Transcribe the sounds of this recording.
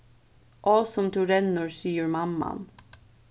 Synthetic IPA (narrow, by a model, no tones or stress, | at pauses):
ʔosʊmt̪ʰʉɾɛnʊɹsyːəɹmɑmɑ̰n